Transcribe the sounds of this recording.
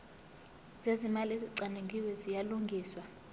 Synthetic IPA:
z̥ezimaleziǀaneŋɡʱiwɛzijaluŋɡʱiːswa

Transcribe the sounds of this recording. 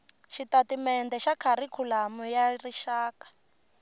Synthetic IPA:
ʃitatimɛndɛʃakʰaɾikʰulamujariʃaːkḁ

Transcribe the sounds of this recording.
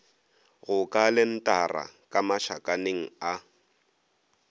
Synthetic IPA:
ɣʊkʼalɪn̩tʼara̰kʼamaʃa̰kʼaneŋ̩a

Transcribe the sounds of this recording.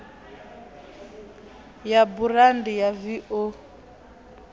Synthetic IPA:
jabuɾandijaviʔo

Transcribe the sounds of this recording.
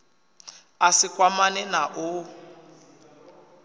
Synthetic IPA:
asikʼwamanɛnaʔu

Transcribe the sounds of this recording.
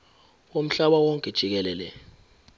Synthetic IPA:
om̩ɬaɓawɔŋkʼɛ̥ʒ̥ʱik̬ɛlɛːlɛ

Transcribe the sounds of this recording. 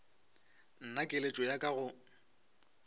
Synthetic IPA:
n̩nakʼelet͡ʃʼɔjakʼaɣʊ

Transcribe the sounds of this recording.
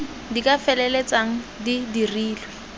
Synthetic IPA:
dikʼafɛlɛlet͡sʼaŋ̩didiriːlwɛ

